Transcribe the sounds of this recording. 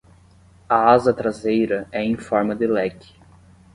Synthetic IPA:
ɐazɐt̪ɾazejɾɐɛẽj̃fɔɾmɐd̪ɪlɛkɪ̥

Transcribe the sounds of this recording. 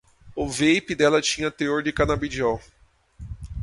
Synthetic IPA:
ʊvejpɪd̪ɛlɐt͡ʃĩɲɐt̪eoɾd͡ʒɪkanabid͡ʒɔw

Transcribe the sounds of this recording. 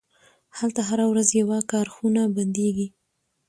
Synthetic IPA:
halt̪aɦaɾawɾazjawakɑɾxunaband̪eɡi

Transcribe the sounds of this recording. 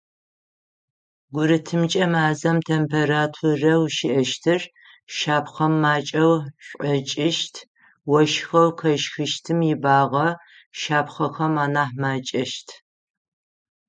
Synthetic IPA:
ɡʷʊɾɨtʰɨmt͡ʃʼɐmaːzɐmtʰempʰeɾaːtʰurɐwʃɪʔɐʃtʰɨr | ʃaːpχɐmːaːt͡ʃʼɐwɕʷʼɐt͡ʃʼɪʃtʰ | wɔʃxɐwkʰɐʃxɨʃtʰɨmjɪbaːʁɐ | ʃaːpχɐxɐmaːnaːħmaːt͡ʃʼɐʃtʰ

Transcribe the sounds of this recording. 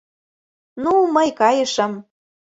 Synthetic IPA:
numəjkɑjɤ̆ʃɤ̆m

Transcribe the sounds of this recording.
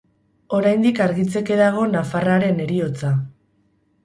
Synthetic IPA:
o̞ɾajnd̪ikaɾɣit͡se̞ke̞ðaɣ̞o̞nafaraɾe̞ne̞ɾio̞t͡sa

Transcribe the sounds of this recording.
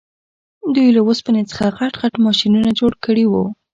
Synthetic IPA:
d̪ujlawospanet͡sə̥xaɣaʈɣaʈmɑʃinunad͡ʒoɽkəɽiwu

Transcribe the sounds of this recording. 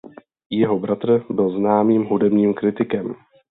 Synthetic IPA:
jɛɦobɾat̪r̩bɪlznaːmiːmɦudɛbɲiːmkɾɪt̪ɪkɛm

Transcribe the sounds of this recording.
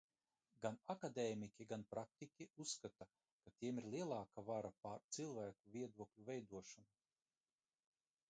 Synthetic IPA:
ɡanakad̪ɛːmikʲiɡanpɾak̚t̪ikʲiusːkat̪a | kat̪iɛmiɾlˠiɛlˠɑːkavaɾapaɾt̪silˠvæːkuvʲiɛd̪uɔklʲuvɛjd̪uɔʃana

